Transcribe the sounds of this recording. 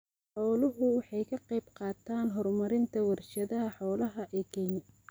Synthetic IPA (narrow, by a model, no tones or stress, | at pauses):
ħɔːlʊɦʊwɑħɑjkʰɐqɑjbqɑːt̪ʰaːnɦɔrmɐɾɪnt̪ʰɐwɐrʃɐðɐɦɐħɔːlɐɦɐʔɛːkʰɛɲɐ